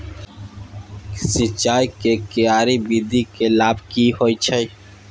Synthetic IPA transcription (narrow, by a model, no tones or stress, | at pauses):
sɪt͡ʃaːjkekɪjaːɾibid̪ʱikelaːbʱkiɦoit͡ʃʰəj